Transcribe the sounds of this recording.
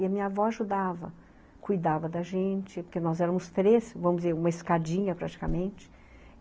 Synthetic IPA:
iɐmĩɲɐvɔaʒud̪avɐ̰ | kujd̪avɐd̪ɐʒẽnt͡ʃɪpoɾkenɔzɛɾɐ̃mʊst̪ɾesvɐ̃mʊd͡ʒɪzeɾũmɐeskad͡ʒĩɲɐpɾat͡ʃi̥kɐmẽnt͡ʃɪ̥

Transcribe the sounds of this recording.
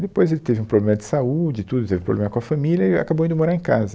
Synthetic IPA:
d̪epojzelɪt̪evɪũpɾoblẽmɐd͡ʒ̪ɪsaud͡ʒɪt̪ud̪ʊt̪evɪpɾo̰blẽmɐkõɐfɐmiljɐɪa̰kabowĩd̪ʊmoɾaɾẽkazɐ

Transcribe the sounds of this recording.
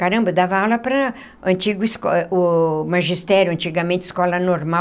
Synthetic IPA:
kaɾɐ̃mbɐd̪avɐawlɐpɾɐ | ɐ̃t͡ʃiɡʊiskɔʊmaʒist̪ɛɾjʊɐ̃nt͡ʃiɡɐmẽnt͡ʃɪ̥skɔlɐnoɾma

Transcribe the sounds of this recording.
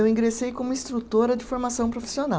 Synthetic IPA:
ewĩɡɾesejkõmʊĩst̪ɾut̪oɾɐd͡ʒɪfoɾmasɐ̃w̃pɾofi̥siona

